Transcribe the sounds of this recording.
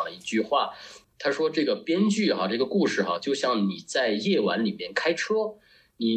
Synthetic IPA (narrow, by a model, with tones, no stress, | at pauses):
lə˦i˥˧t͡ɕy˥˧xwa˥˩t̪ʰa˥ʂwɔ˥ʈ͡ʂɤ˥˩ɡə˩pjɛ˥nt͡ɕy˥˩xa˩ʈ͡ʂɤ˥˩ɡə˩ku˥˧ʂɻ̩˥˩xa˧˩t͡ɕjo˥˧ʊɕjɑ˥˩ŋni˨˩t͡sa˥˧ɪjɛ˥˩wa̰˧˥nli˨˩mjɛ˥˩nkʰa˥ɪʈ͡ʂʰɤ˥ | ni˨˩